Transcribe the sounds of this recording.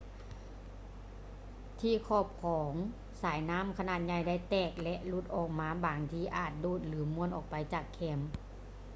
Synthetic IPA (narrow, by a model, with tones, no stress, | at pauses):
t̪ʰiː˧˨kʰɔː˧˩p̚kʰɔː˨˩˦ŋ | saː˨˦jnaː˧˥˨mkʰa˧naː˧˩t̪̚ɲa˧˩jda˧˩˨jt̪ɛː˧˩k̚lɛ˧ʔlu˧˩t̪̚ʔɔː˨˩k̚maː˧˥˨baː˨˦ŋt̪ʰiː˧˩ʔaː˨˩t̪̚doː˧˩t̪̚lɯː˨˦mu˧˥ənʔɔː˨˩k̚pa˨jt͡ɕaː˨˩kʰːɛ˧˦m